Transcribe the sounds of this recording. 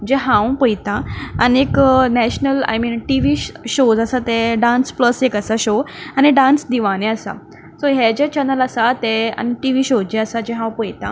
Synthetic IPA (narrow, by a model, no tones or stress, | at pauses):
d͡ʑeɦãwpəjt̪ãanieknɛɕnəla̰jmiːnʈiʋiːɕod͡zəsat̪ẽɖãnspləsekəsaɕoañiɖãnsd̪iʋañẽəsa̰ | soɦed͡ʑet͡ɕənələsat̪ea̰niʈiʋiːɕod͡ʑeəsad͡ʑɛɦãwpəjt̪ã